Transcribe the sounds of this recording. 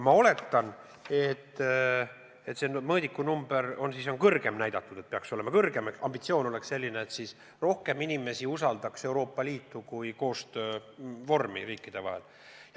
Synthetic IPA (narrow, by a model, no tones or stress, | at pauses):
mɑo̞le̞t̪ːɑn | e̞t̪ː | et̪ːse̞nmɤːd̪ikːˑunumb̥e̞ɾo̞nsiso̞nkɤrɡ̥e̞mnæjd̪̥ɑt̪ːˑud̪̥e̞t̪̚peɑkso̞le̞mɑkɤrɡ̥e̞mekɑmb̥it̪sio̞ːno̞le̞ksse̞lʲːineːt̪sis | ro̞hke̞minime̞siusɑld̪ɑkse̞wɾo̞ːpːɑliːt̪ːukujko̞ːst̪øːvo̞rmḭriːkːˑid̪̥e̞vɑ̰ɦe̞̰l